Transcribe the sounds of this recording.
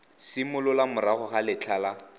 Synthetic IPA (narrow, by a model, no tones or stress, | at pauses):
sɪmʊlʊlamʊɾaχɔχalɪt͡ɬʰaːla